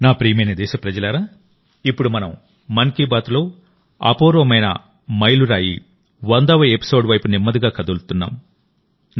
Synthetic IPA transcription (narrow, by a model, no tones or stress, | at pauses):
naːpɾiːmenid̪ɛːʃɐpɾɐd͡ʒɐlaːɾaː | ipːuɽumɐnɐm | mɐnkiːbaːt̪lo̞ː | ɐ̰poːɾoːmɐjnɐ̰ | mɐjluɾaːjḭ | ʋɐnd̪ɐʋɐjepi̥so̞ːɖʋɐjpunimːɐd̪iɡaːkɐd̪ult̪unːa̰ːm | n